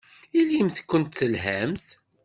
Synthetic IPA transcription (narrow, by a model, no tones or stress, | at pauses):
ilimθkʷːənt̪θəlɦæmθ